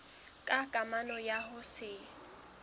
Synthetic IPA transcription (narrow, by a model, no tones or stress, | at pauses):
kʼakʼamanɔjaɦʊsɪ